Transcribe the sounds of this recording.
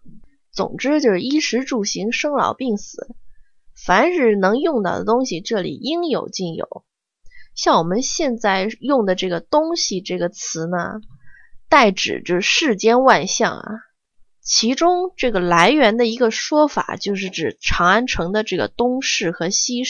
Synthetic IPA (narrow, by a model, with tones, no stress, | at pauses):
t͡sʊ̰˨˩ŋʈ͡ʂɻ̩˥t͡ɕjo˥˧ʊʂɻ̩˥˧i˥ʂɻ̩˧˥ʈ͡ʂu˥˨˩ɕi˧˥ŋʂɤ˥ŋlɑ̰˨˩ʊpi˥˩ŋsɹ̩˨˩˦ | fa˧˥nʈ͡ʂɻ̩˥˩nɤ˧˥ŋjʊ˥˧ŋt̪ɑ˥˩ʊd̪ə̰˩t̪ʊ˥ŋɕi˨ʈ͡ʂɤ˥˩lḭ˨˩i˥ŋjo̰˨˩ʊt͡ɕi˥˩njo̰˨˩˦ʊ | ɕjɑ˥˩ŋwɔ˨˩mə˦nɕjɛ˥˧nt͡sa˥˧ɪjʊ˥˩ŋd̪ə˩ʈ͡ʂɤ˥˩ɡə˩t̪ʊ˥ŋɕi˨ʈ͡ʂɤ˥˩ɡə˩t͡sʰɹ̩˧˥nə̰˧ | t̪a˥˩ɪʈ͡ʂɻ̩̰˨˩t͡ɕjo˥˧ʊ˧ʂɻ̩˥˩t͡ɕjɛ˥nwa˥˧nɕjɑ̰˥˩ŋɐ̰˩ | t͡ɕʰi˧˥ʈ͡ʂʊ˥ŋʈ͡ʂɤ˥˩ɡə˩la˧˥ɪɥɛ˧˥nd̪ə˧i˧˥ɡə˧ʂwɔ˥fa̰˨˩t͡ɕjo˥˧ʊʂ̬ɻ̩˥˩ʈ͡ʂɻ̩˨˩ʈ͡ʂʰɑ˧˥ŋa˥nʈ͡ʂʰɤ˧˥ŋd̪ə˧ʈ͡ʂɤ˥˩ɡə̰˩t̪ʊ˥ŋʂɻ̩˥˩xɤ˧˥ɕi˥